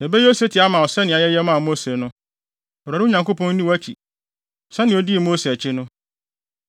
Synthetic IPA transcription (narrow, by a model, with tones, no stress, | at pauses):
e˨be˦o˦se˦tʰi˨a˦mã˨ɔ˨sɛ˦nɪ̃˨a˨jɛ˦jɛ˦mã˦˨mo˦se˨nʊ̃˦ | ɔ˨ɾɾɪ˦o˦ɲã˨ŋko˦pʰɔ̃˦n˦nĩ˦wæ˦t͡ɕʰḭ˨ | sɛ˦nɪ̃˨ɔ˦di˦˨mo˦se˨ɛ˨t͡ɕʰɪ˦nʊ̃˦